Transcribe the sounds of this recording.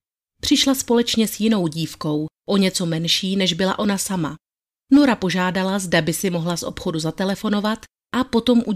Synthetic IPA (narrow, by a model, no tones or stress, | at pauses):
pr̝̥ɪʃlaspo̞lɛt͡ʃɲɛsjɪno̞wɟiːfko̞wʔo̞ɲɛt͡so̞mɛnʃiːnɛʒbɪla̰ʔo̞nasama̰ | noɾapo̞ʒaːdalazdabɪsɪmo̞ɦlasʔo̞̰pxo̞duzat̪ɛlɛfo̞no̞vat̪ | ʔapo̞t̪o̞mʔu